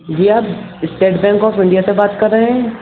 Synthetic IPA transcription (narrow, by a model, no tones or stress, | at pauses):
d͡ʒiːaːp | ɪsʈeːʈbɛ̃ːŋkɔːfɪ̃ɳɖijasebaːt̪kɐɾːəeɦɛ̃ː